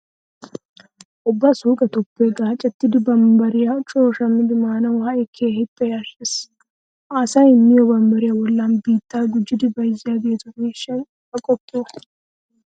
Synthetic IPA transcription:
ʔʊbːɐsuːkʼɛt̪ɔpːeɡaːt͡ʃʼːɛt̪ːɪd̪ɪbɐmbɐɾɪjat͡ʃʼoːʃɐmːɪd̪ɪmaːnɐwhɐʔɛkʰːeːhɪpʼːɛjaːʃes | ʔaːsɐjɪmːɪjɔbɐmbɐɾɪjawɔlːaːnbiːt̪ːaːɡʊd͡ʒːɪd̪ɪbɐjɪzːɪjaːɡe̞ːt̪ʊɡeːʃːɐj | ɐkʼɔpːoː

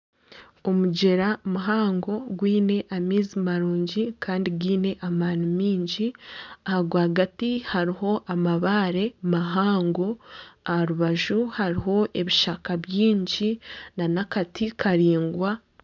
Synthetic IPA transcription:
omuɟe̞ɾamuɦaːŋɡo̞ɡwiːne̞ʔamiːzimaɾuːɲɟikaːndiɡwiːne̞ʔamaːnumiːɲɟiahaɡwaɡatihaɾiɦo̞ʔamaβaːɾe̞maɦaːŋɡo̞ahaɾuβaʒuhaɾiɦo̞e̞βiʃakaβjiːɲɟinanakatʰikʰaɾiːŋɡwa

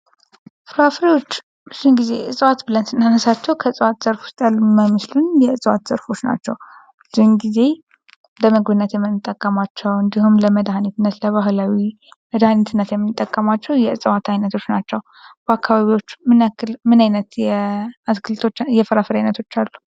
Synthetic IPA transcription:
fɨɾafɾiwo̞t͡ʃː | bɨz̥unɡize̞ɨsʼɨwat̪bɨlənsɨnːanəsat͡ʃːɛwkʰəɨsʼwat̪z̥əɾfu̥st̪ʼəlmaməslunjɛɨsʼɨwa̰t̪z̥əɾfo̞t͡ʃːna̰t͡ʃːɛwbɨzunɡize̞ | d̪əməɡbɨnːət̪jɛmːɨnɨt̪ʼːəkʼːəmat͡ʃːɛwɨnd̪ihumləməd̪hanit̪ɨnːət̪ləβaɦlawi | məd̪hanit̪ʰɨnːət̪jɛmːɨnɨt̪ʼːəkʼːəmat͡ʃːɛwjɛɨsʼwat̪ʰajnət̪ʰo̞t͡ʃːnat͡ʃːɛw | b̥əakːaβaβiwo̞t͡ʃːmɨnakːɨlmɨnajnət̪jɛaskʰɨlt̪ʰo̞t͡ʃːjɛfɨɾafɾijajnət̪ʰo̞t͡ʃːalːu̥

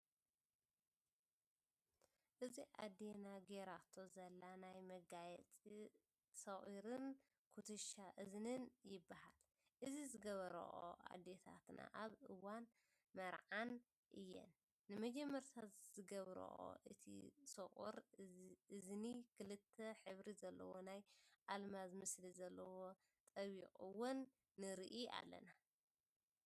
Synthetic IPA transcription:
ʔɨziʔa̰d̪enaɡeɾat̪ʰːozɐlːanajmɐɡajɛt͡sʼi | sɐχʼiɾɨn | kʰut̪ʰɨʃaʔɨznɨnjɪbːahal | ʔɨzizɨɡɐβɐɾɐ̰ʔo̰ʔa̰d̪et̪ʰa̰t̪nʔa̰ʔaβɨwan | mɐɾʕan | ʔɨjːɛ̰nː | ɨmɐd͡ʒɛmːɐɾt̪ʰat̪zɨɡɐβɾɐ̰ʔo̰ʔɨt̪ʰḭsɨχʼuɾ | ɨznikʰɨlɨt̪ʰːɐħɨβɾizɐlːɐ̰wo̞najʔalmazɨmɨslizɐlːɐwo̞ | t̪ʼɐβikʼɨwunː | ɨɾiʔia̰lːɐ̰na

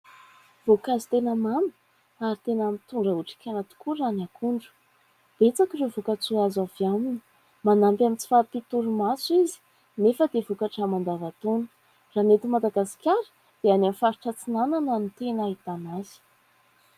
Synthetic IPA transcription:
v̥okazi̥t̪enəmamə̥ | aɾit̪enamit̪uɳɖ͡ʐəuʈ͡ʂi̥kʲanat̪u̥kuranakuɳɖ͡ʐu̥ | b̥et͡sakirevukət͡suazavamini̥ | manampʲamint͡si̥fapit̪uɾumasuizi̥ | nefəd̪evukaʈ͡ʂamand̪avat̪onu̥ | ranet̪imad̪aɡasi̥kʲaɾə̥ | d̪̥eanamfaɾuʈ͡ʂət͡sinananənit̪enaɦit̪anaz̥i̥

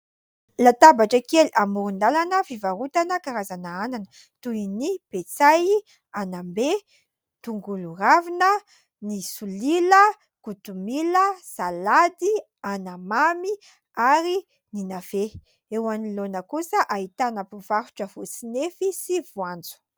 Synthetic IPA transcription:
lat̪abaʈ͡ʂəkeliʔamuɾund̪alanəfivaɾut̪anəkaɾazanaananə | t̪uinipet͡saj | anambe | t̪uŋɡuluravinə | nisulilə | kut̪umiləsalad̪i | anamami | aɾi | ninafe | ewanilonəkusəʔaɦit̪anapuv̥aɾu̥ʈ͡ʂəv̥osinefisivuand͡zu̥

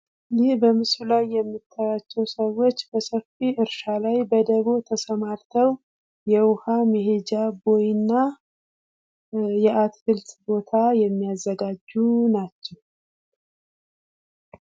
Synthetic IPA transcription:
jɪbəmɨslulajːɛmːit̪ʰːajat͡ʃːɛwsəwːo̞t͡ʃːbəsəfiʔɨɾʃalajbəd̪əβot̪ʰəsəmaɾt̪ʰəw | jɛwʊhameɦed͡ʒabo̞jɪnːa | jɛʔat̪hɨlt̪bo̞t̪ʰajɛmːijazːəɡad͡ʒːunat͡ʃːɛw

